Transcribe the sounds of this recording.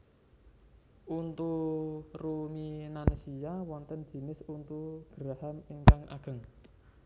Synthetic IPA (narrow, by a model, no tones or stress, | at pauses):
ʔunt̪uruminansijawɔnt̪ənd͡ʒ̥i̤nɪsunt̪uɡ̥əɾahamiŋkaŋʔa̰ɡ̥ə̤ŋ